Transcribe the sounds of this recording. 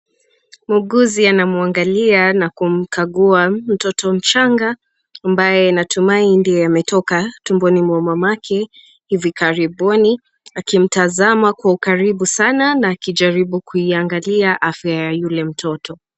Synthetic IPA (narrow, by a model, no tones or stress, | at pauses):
muɡuzianamuaŋɡalianakum̩kʰaɡuam̩tɔtʰɔm̩t͡ʃaŋɡaː | mbajɛnatumaindijɔjamɛtɔkatumbɔnimwamamakʰɛ | hivikaɾiɓuni | akim̩tazamakwaukaɾiɓusananaːkiʄaɾiɓukuiaŋɡaliaʔafjajajulɛm̩tʰɔtɔ